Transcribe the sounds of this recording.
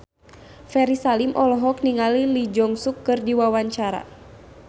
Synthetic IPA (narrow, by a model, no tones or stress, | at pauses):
fɛɾisalimʔɔlɔɦɔk̚niŋalilid͡ʒɔŋsukːɨrdiwawaɲt͡ʃaɾa̰